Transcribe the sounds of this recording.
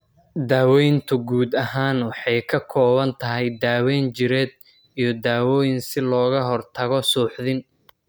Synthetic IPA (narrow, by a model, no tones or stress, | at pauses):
d̪aːwɔjnt̪ʰʊɡuːd̪ɐɦaːnwɑħɑjkʰɐkʰɔːβɐnt̪ʰɐɦɛjd̪aːwɛːnt͡ʃɪɾɛːd̪̚ | ijɞd̪aːwɔːjɪnsɪlɔːɣɐɦɔrt̪ʰɐɣɔsuːħðɪn